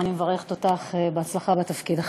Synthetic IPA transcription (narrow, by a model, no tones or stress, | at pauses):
nimevaʁeχet̪ot̪aχebeat͡slaχabet̪afkid̪aχ